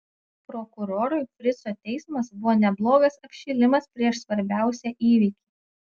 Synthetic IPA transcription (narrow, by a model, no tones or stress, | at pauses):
pɾɔkʊɾoːɾʊɪfʲɾʲɪsoːt̪ʲɛɪsmɐsbʊʋoːnʲɛblˠoːɡɐsɐpʲʃʲiːlʲɪmɐspʲɾʲiɛʃsʋɐɾʲbʲæˑʊsʲɛʔiːʋʲiːkʲiː